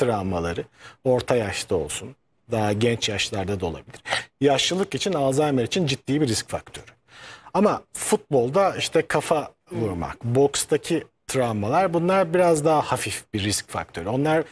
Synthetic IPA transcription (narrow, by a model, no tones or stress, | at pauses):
t̪ʰɾamalˠaɾɯo̞ɾt̪ʰajaʃlˠɯo̞lˠsun | d̪aɦaɟɛnt͡ʃjaʃlˠaɾd̪ad̪o̞lˠa̰bilʲiɾ̥jaʃlˠɯlˠɯkit͡ʃʰinaːzajmaɾit͡ʃʰind͡ʒit̪ːiːbiɾisc̚fa̰kt̪ʰø̞ɾy̥ | amafut̪̚bo̞lˠd̪aiʃt̪ʰɛkʰafa | vuɾma̰kbo̞kst̪ʰacʰi | t̪ʰɾamalˠaɾbunlˠaɾbiɾazd̪aɦahafifbiɾːisc̚fa̰k̚t̪ʰø̞ɾyo̞nlˠaɾ